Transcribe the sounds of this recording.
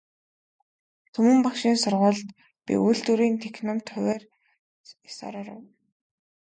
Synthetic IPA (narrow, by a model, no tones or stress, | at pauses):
t̪ʰɵmɵ̆mpakʃiːnsʊrʁʊːɮt̪ | pʲḭʔuɮt̪uɾiːnt̪ʰeknʊ̆mt̪ʰχʊweːr | sɔ̰ːɾɔːɾə̰w